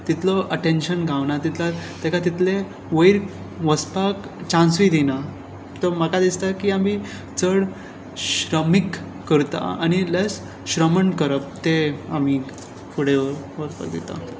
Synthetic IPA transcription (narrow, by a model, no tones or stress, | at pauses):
t̪it̪ʰlɔʔəʈenɕənɡʱaʋnat̪it̪ʰlat̪ɛkat̪it̪le | ʋəiɾ | ʋəspak | t͡ɕãnsʋid̪ina | t̪ɔməkad̪ist̪akiami | t͡səɽ | ɕɾəmikː | əɾt̪a̰a̰ñiles | ɕɾəməɳkəɾəp̚t̪ea̰m̤i | fʰuɽeʋəɾʋəspa̰k̚d̪ḭt̪a̰